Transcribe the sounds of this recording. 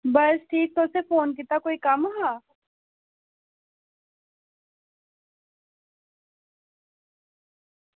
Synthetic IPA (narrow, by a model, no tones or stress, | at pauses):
bɐsʈʰiːk̚t̪osefoːnk̬it̪akoːikɐmɦaː